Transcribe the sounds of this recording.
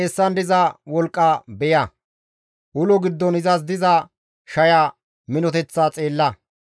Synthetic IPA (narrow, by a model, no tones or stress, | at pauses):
ɛsːɐnd̪ɪzɐwɔlkʼːɐbɛjɐ | ʔʊlɔɡɪd̪ːɔnɪzɐs̬d̪ɪzɐ | ʃɐja | mɪnɔt̪ɛt͡sːat͡sʼe̞ːlːɐ